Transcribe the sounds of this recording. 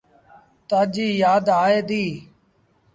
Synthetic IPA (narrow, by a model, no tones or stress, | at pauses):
t̪aːd͡ʒiːjaːd̪aːeːd̪iː